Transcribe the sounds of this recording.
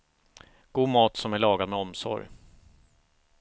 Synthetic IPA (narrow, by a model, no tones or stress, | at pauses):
ɡ̥uːmɑːt̪sɔmæɭɑːɡad̪mɛɔmsɔ̰ɾj